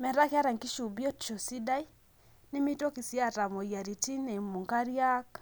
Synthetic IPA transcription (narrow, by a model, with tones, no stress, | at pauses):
mɛ˨ɾa˦kɪ˦a˦ɾa˨ŋki˦ʃu˨bjɔ˦tt͡ʃo˨si˦da˦i˦ | nɪ˦mi˦to˦ki˨sja˦˨ɾa˨mɔ˨ja˨ɾi˨ti˦nɛ˨mu˨ŋka˦ɾja˦k